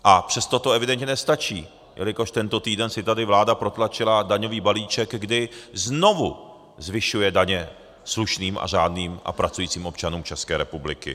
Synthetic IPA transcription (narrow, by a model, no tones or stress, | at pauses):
ʔapr̥ɛst̪o̞t̪o̞ɛvɪdɛnt̪ɲɛnɛst̪at͡ʃiː | jʔɛ̰lɪko̞ʃt̪ɛnt̪ot̪iːdɛnsɪt̪adɪvlaːdapɾo̞t̪lat͡ʃɪladaɲo̞viːbaliːt͡ʃɛɡɡdɪzno̞vu | zvɪʃujɛdaɲɛ | sluʃniːmʔa̰ʒaːdniːmʔa̰pɾat͡sujiːt͡siːmʔo̞pt͡ʃanuːmt͡ʃɛskɛːɾɛpublɪkɪ̰